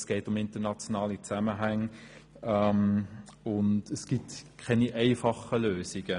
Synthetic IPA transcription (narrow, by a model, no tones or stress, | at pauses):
sɡ̥ɛɪtʊmɪntənɑt͡sjonɑːlit͡sæməɦaŋ | ɛm | ʊndəsɡ̥itkʰɛniʔæɪfɑχəløːsɪɡ̥ə